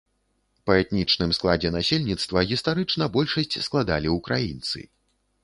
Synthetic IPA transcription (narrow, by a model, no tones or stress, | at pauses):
pɐɛt̪nʲit͡ʂnɨmsklˠad͡zʲɛnasʲelʲnʲit̪st̪vɐɣʲist̪aɾɨt͡ʂnɐbɔlʲʂɐsʲt͡sʲsklˠad̪alʲiukɾʔajint̪sɨ̰